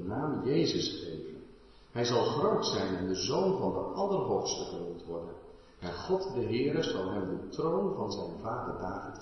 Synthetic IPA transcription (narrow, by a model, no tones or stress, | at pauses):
naːmjejzəsχḛjvən | ɦɛjzɑlˠχrowtsɛjnɛndəzownvɑndəʔɑlˠərɦowfstəχənumtʋɔɹdən | ɛnχɔtdəɦɪːɾəzɑlˠɦɛmdətrownvɑnzɛjnvaːdəɹdaːvit